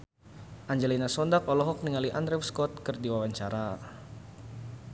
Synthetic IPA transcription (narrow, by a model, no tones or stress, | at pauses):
ʔaɲd͡ʒɛlinasɔndak̚ɔlɔɦɔk̚niŋaliʔand̪ɾɛwskɔt̪̚kərdiwawaɲt͡ʃaɾa